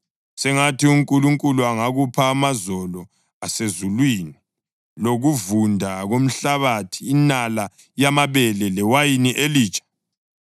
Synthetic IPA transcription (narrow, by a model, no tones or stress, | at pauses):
sɛŋatʰiuŋkʼuluŋkʼuluaŋaɣupʰaːmazɔlɔ | asezulwiːni | loɣuvundʱaɣom̩ɬaβatʰiːnala | jamaβɛlɛlɛwajiniʔeliːt͡ʃʼḁ